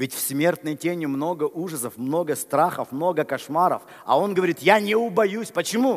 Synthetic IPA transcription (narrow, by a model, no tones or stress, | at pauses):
vʲɪtʲfsʲmʲe̞rt̪nɨjtʲenʲɪmno̞ɡəʔuʐəsəfmno̞ɡəst̪ɾaxəfmno̞ɡəkɐʂmaɾə̰f | ɐ̰o̞nɡəvɐɾʲit̪janʲɪʊbɐjusʲpət͡ɕɪmu